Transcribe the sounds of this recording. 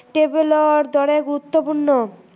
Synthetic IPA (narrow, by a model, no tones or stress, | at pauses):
ʈebeloaɾd̪ɔɽeɡuɾut̪ːopuɾno